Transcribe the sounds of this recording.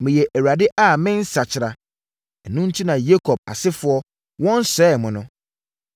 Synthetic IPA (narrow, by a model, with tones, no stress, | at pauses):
mɪ̃˨jɛ˨ʔæ˨wa˨dɪ˦ʔa˨mɪ̃˦n̩˦sa˨t͡ɕʰɪ˨ɾa˨ | ɛ˨nũ˦n̩˦t͡ɕʰi˦nã˨je˦kʰɔ˨b̚a̰˨sɪ˦fʊ˨˦ɔ˦ | wɔ̃˦n˦sɛː˦˨mʊ̃˨nʊ̃˦